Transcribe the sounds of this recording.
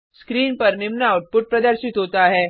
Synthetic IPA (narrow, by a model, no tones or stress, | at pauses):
skɾiːnpɐɾnɪmnaːʊʈ̚pʊʈ̚pɾɐd̪əɾʃɪt̪ɦoːt̪aɦɛː